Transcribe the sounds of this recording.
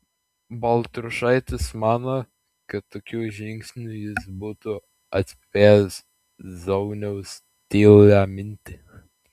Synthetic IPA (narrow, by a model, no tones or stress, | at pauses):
bɐlˠt̪ɾʊʃɐɪt̪ʲɪsmɑːnoː | kɐt̪t̪ːoːkʲuːʒʲɪŋʲksʲnʲujɪsbuːt̪ʊ | ɐt̪ʲsʲpʲeːs | zɐʊnʲɛʊs | t̪ʲeːlʲæːmʲɪnʲt̪ʲɪ